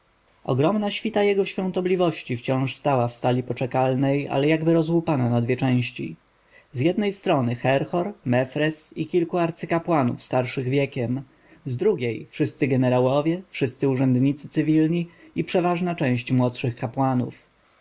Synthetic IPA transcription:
ɔ̰ɡɾɔmnaɕfʲit̪ajɛɡɔɕfʲjɔ̃w̃t̪ɔblʲivɔɕt͡ɕift͡ɕɔ̃w̃ʂst̪awafst̪alʲipɔt͡ʂɛkalnɛja̰lɛjaɡbɘɾɔzwupananad̪vʲjɛt͡ʂɛ̃w̃ɕt͡ɕḭ | zʲjɛd̪nɛjst̪ɾɔnɘxɛɾxɔɾmɛfɾɛsikʲilkuaɾt̪sɘkapwanṵfst̪aɾʂɘɣvʲjɛkʲɛm | zd̪ɾuɡʲejfʂɘst̪sɘɡɛnɛɾawɔvʲjɛfʂɘst̪sɘuʐɛnd̪ɲit̪sɘ̥t̪sɘvʲilɲiipʂɛvaʐnat͡ʂɛ̃w̃ɕt͡ɕmwɔt̪ʂɘxkapwanṵf

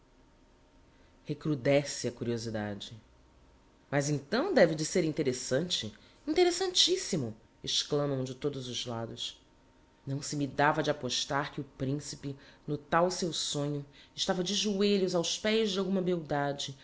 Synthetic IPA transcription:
hekɾud̪ɛsɪɐkuɾiozid̪a̰d͡ʒɪ | mazẽt̪ɐ̃w̃d̪ɛvɪd͡ʒɪseɾĩnt̪eɾesɐ̃nt͡ʃɪ̰ | ĩnt̪eɾesɐ̃nt͡ʃisimʊ | ɪʃklɐ̃mɐ̃w̃d͡ʒɪt̪od̪ʊzʊzlad̪ʊs | nɐ̃w̃sɪmid̪avɐd͡ʒɪapoʃt̪aɾkɪʊpɾĩsi̥pɪnʊt̪awsewsõɲʊɪʃt̪avɐd͡ʒɪʒueʎʊzawspɛjzd͡ʒɪawɡũmɐmewd̪ad͡ʒɪ

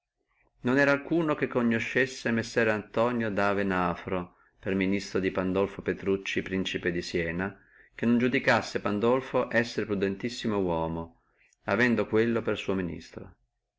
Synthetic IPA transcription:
nonɛːɾalkuːnokekːoɲːoʃːesːemesːɛːɾant̪ɔːnjod̪aːvenaːfɾo | perminist̪ɾod̪ipand̪ɔlfopet̪ɾut͡ʃːipɾint͡ʃiped̪isjɛːna | kenːond͡ʒud̪ikasːepand̪ɔlfoʔɛsːeɾpɾud̪ent̪isːimowɔːmo | avɛnd̪okwelːopersuːominḭst̪ɾo̰

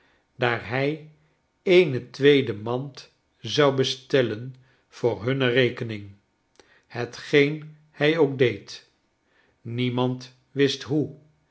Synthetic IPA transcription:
daːɹɦɛj | ejnətʋejdəmɑnt | zɑwbəstɛlən | v̥ʊːɹɦɵnərejkənɪŋ | hətχejn | hɛjowɡ̚dejt | nimɑnt | ʋɪstɦu

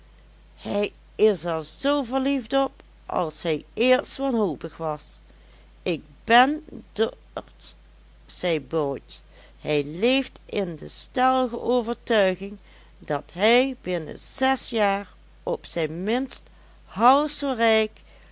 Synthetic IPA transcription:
hɛj | ɪsɛɹzowvəɹlifdɔp̚ | ʔɑ̰lˠsɦɛjɪɹtsʋɑnɦowpəxʋɑs | ɪk̚bɛnd | t | sɛjbɔjt | hɛjlejftɪndəstɛlˠɣə̰ʔowvəɹtœɥɣɪŋ | dɑtɦɛjbɪnə̰z̥ɛsjaːɹ | ʔɔpsɛjnmɪnst | hɑwsorɛjk

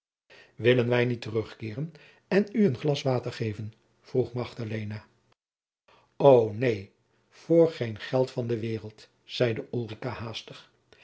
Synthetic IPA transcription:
ʋɪlənʋɛjnitərɵχkɪːrən | ɛnyənχlɑsʋaːtəɹχejvən | v̥ruχmɑχdalejna | ownej | v̥ʊːɹχejnχɛlˠtfɑndəʋɪːʁəlˠt | z̥ɛjdəʔulˠrikahaːstəχ

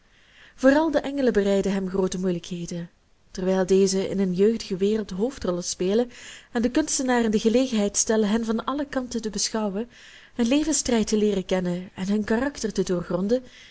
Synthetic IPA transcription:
voːrɑlˠdəʔɛŋələbərɛjdəɦɛmχroːwtəmujləkɦeːjdən | tɛrʋɛjlˠdejzəʔɪ̰nənjøːɣdəɣəʋeːrəlˠtɦoːftrɔlˠəspeːləɛndəkɵnstənaːrəndəɣəleːɣənɦɛjtstɛləɦənvɑnɑləkɑntətəbəsxɑwən | ənleːvənstrɛjtəleːrəkɛnəɛnɦɵnkarɑktərtədʊːrχrɔndə

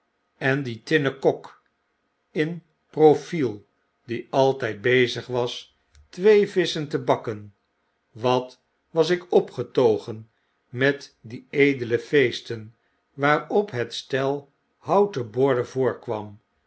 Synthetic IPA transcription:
ɛnditɪnəkɔk | ɪn | profilˠ | diɑlˠtɛjt̚bejzəχʋɑs | tʋejvɪsəntəbɑkən | ʋɑt | ʋɑsɪkɔpχətowχən | mɛtdiejdələfejstən | ʋaːɹɔpɦətstɛlˠ | hɑwtəbʊɹdəvʊːɹkʋɑm

